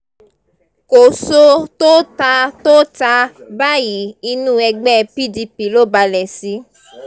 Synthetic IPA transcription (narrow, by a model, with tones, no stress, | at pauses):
ko˨so˧t̪o˦ta˧t̪o˦ta˧ba˦ji˨i˧nũ˦ɛ˧ɡ͡bɛ˦pi˦di˧pi˨lo˦ba˧lɛ˨si˨˦